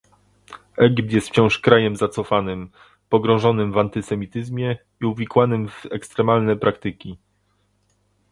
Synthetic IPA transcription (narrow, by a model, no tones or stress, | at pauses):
ɛɡʲip̚t̪jɛst̪ft͡ɕɔ̃w̃ʂkɾajɛmzat̪sɔfanɘm | pɔɡɾɔ̃w̃ʐɔnɘmvant̪ɘsɛmʲit̪ɘzmʲjɛ | iuvʲikwanɘmvɛkst̪ɾɛmalnɛpɾʔakt̪ɘkʲi